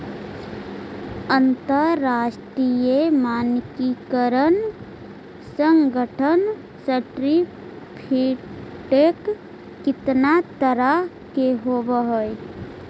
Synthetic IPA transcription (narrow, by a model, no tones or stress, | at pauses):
ənt̪əːasʈɾijemaːnkikəɾən | səŋɡʱəʈʰən | səʈɾi | pʰiʈekː | ɪt̪nat̪əɾa | keɦobəɦoj